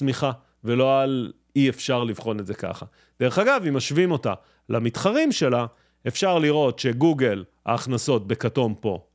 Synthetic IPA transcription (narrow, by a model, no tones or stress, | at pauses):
miχa | ve̞lo̞al | iefʃaʁlivχo̞netze̞ka̰χa | d̪̥eʁeχaɡavimaʃvimo̞ta̰ | lʔamitχaʁimʃe̞la | e̞fʃaʁliʁo̞tʃe̞ɡuɡe̞la̰ːχnaso̞t̚be̞kato̞mpo̞